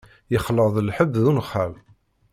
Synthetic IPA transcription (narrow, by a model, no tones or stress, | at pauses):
jəχləðˤəlħəbːðunχːam